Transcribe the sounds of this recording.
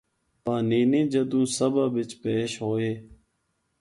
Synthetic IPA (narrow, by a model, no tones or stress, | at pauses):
pãːniːnĩːd͡ʒəd̪ũːsəbaːbɪt͡ʃpeːʃɦoːeː